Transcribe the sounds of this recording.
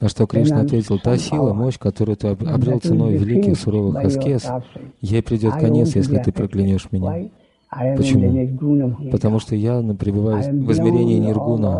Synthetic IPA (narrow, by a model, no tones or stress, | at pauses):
nɐʂt̪o̞kɾʲiʂnəɐt̪vʲetʲɪlˠt̪asʲilˠəmo̞ɕkɐt̪o̞ɾʊjʊt̪ɨɐbɾʲilˠt̪sɨno̞jvʲɪlʲikʲɪxsʊɾo̞vɨxɐskʲesjejpɾʲɪdʲo̞t̪̚kɐnʲe̞tsjesʲlʲɪt̪ɨpɾəklʲɪnʲiʂmʲɪnʲa | pət͡ɕɪmu | pət̪ɐmuʂt̪o̞janəpɾʲɪbɨvajʊvɨzmʲɪɾʲenʲɪːnʲɪrɡunə